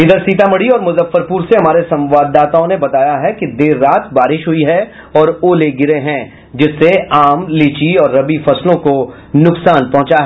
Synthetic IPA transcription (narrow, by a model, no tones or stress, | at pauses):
ɪd̪əɾsiːt̪amɐɽiɔːɾmʊzəfːəɾpuːɾseɦɐmaːɾesɐ̃mʋaːd̪ːaːt̪aõnebɐt̪aːjaɦɛkid̪eːɾːaːt̪ʰbaːɾɪʃɦʊiɦɛ | ɔːɾoːleːɡɪɾeɦɛ̃ | d͡ʒɪsːeaːmliːt͡ʃiɔːɾːɐbifɐslõko | nʊksaːnpɔ̃ɦʊ̃t͡ʃaɦɛː